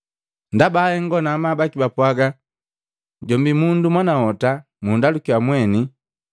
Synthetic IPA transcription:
ndabaːhɛŋɡɔnaːmabakibapwaɡa | ɟɔmbimundumwanahɔta | mundalukiwamwɛni

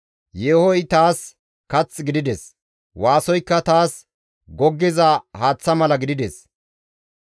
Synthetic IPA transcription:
jeːhɔjt̪aːs | kɐt͡sːɡɪd̪ɪd̪ɛs | waːsɔjkːɐt̪aːs | ɡɔɡːɛzɐhaːt͡sːɐmɐlɐɡɪd̪ɪd̪ɛs

